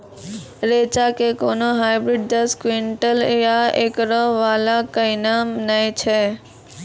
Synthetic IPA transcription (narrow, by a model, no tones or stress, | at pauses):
ɾeːt͡ʃakekoːnoɦaːɪbɾiɖ̚d̪əskwiɳʈəljaeːkɾɔʋaːlakəɪnamnait͡ʃʰɛ